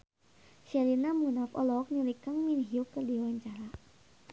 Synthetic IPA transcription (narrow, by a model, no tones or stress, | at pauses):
salinamunafɔ̰lɔk̚nilikaŋminɦiukədiwaɲt͡ʃaɾa